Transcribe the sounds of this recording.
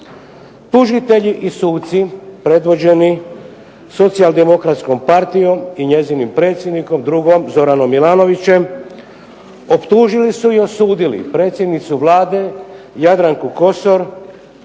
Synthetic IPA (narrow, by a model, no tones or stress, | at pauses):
t̪uʒit̪e̞ʎiʔisuːt̪sipɾe̞d̪ʋo̞d͡ʑe̞ni | so̞t̪siald̪e̞mo̞kɾat̪sko̞mpaɾt̪ijo̞miɲe̞ziːnimpɾe̞ːt̪sjed̪niko̞md̪ɾuɡo̞mzo̞ɾano̞mːilaːno̞ʋit͡ɕe̞m | o̞pt̪uːʒilisuio̞suːd̪ilḭpɾe̞ːt̪sje̞d̪nit̪suʋlaːd̪e | jad̪ɾaŋkuko̞so̞ɾ